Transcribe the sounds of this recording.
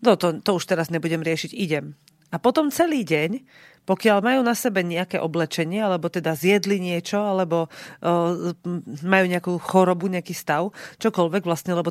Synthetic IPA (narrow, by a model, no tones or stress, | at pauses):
nɔt̪ɔt̪ɔuʃt̪ɛɾazɲɛbuɟɛmɾɪɛʃiɟiɟɛm | apɔt̪ɔmt͡sɛliːɟɛɲ | pɔkɪalmajuːnasɛbɛɲɛakɛːʔɔblɛt͡ʃɛɲɪɛalɛbɔt̪ɛd̪azjɛd̪liɲɪɛt͡ʃɔalɛbɔ | majuːɲɛakuːxɔɾɔbuɲɛakiːst̪aʊt͡ʃɔkɔlʋɛɡʋlast̪ɲɛlɛbɔ